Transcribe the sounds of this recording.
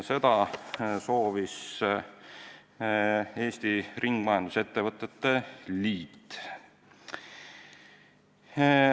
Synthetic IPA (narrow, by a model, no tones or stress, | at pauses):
se̞t̪ɑso̞ːvis | e̞ːst̪irʔiŋɡ̥mɑjɑnd̪̥use̞t̪ːevɤt̪ːˑet̪ːe̞liːt̪ː